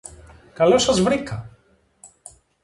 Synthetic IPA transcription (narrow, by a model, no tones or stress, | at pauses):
kɐlosɐzvɾikʰɐ